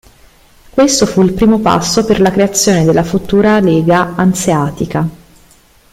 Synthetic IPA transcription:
kwest̪ofuilpɾiːmopa̰sːoperlakɾeat̪sːjoːned̪elːafut̪uːɾaleːɡaanseaːt̪ika

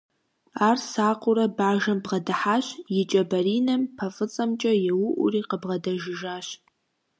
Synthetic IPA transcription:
aːrsaːqʷʊɾɐbaːʒɐmbʁɐdɨħaːɕjɪt͡ʃʼɐbɐɾiːnɐmpʰɐfʼɨt͡sʼɐmt͡ʃʼɐjɛwʊʔʷʊ̰riːqəbʁɐdɐʒɪʒaːɕ

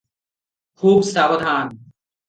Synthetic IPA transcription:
kʰuːbsaːbəd̪ʱaːn

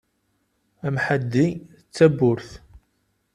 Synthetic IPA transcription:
æmħad̪ːi | t͡sːæbʊɾθ

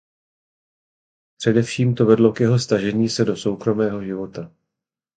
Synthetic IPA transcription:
pr̝̥ɛdɛfʃiːmt̪o̞vɛdlo̞kjɛɦo̞st̪aʒɛɲiːsɛdo̞so̞wkɾo̞mɛːɦo̞ʒɪvo̞t̪a

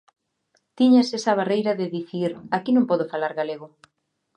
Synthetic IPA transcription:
t̪iɲasesɐβarejɾɐðeðiθiɾakinõmpɔðofalaɾɣaleɣo

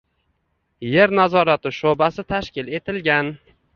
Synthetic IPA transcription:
je̞ɾnazɒɾat̪ɪʃobasɪt̪ʰaʃkʲɪle̞t̪ʰɪlɡʲan

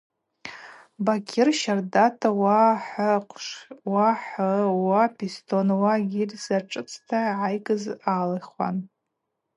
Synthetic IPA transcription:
bakʲʰɪrʃardatʰawaħqʷʰʂwaħəwapʰistʰonwaɡʲirʲsaʈ͡ʂʼɨt͡sʼʰtʰaʕajkʼɨzalaχwa̰n

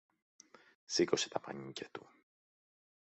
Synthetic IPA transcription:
sikose̥t̪ɐpɐ̰ɲicɐt̪u

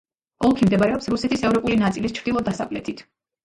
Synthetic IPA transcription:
ɔlˠkʰimd̪ɛbaɾɛɔpsɾusɛt̪ʰisɛvɾɔpʼulinat̪sʼilist͡ʃʰɾd̪ilˠɔd̪asakʼlɛt̪ʰit̪ʰ

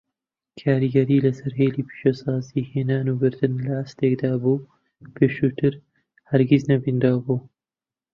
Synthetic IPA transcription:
kʰaːɾiɡɐɾiːlɐsɨɾɦeːlipʰi̥ʃosɑːzihenaːnuɡɨɾd̪ɨnlɐast̪eɡd̪aːbuː | peʃut̪ɨɾ | hɐɾɡiznɐbind̪aːbu

